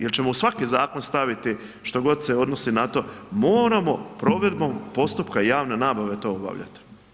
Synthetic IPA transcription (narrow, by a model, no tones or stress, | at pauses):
jelt͡ʃe̞mousʋakizaːko̞nst̪aʋit̪i | ʃt̪o̞ɡo̞d̪se̞o̞d̪no̞sinat̪o̞ːmo̞ːɾamo̞pɾo̞ʋe̞d̪bo̞mpo̞st̪upkaijaːʋne̞naːbaʋe̞t̪o̞ːoba̰ʋʎa̰t̪i̥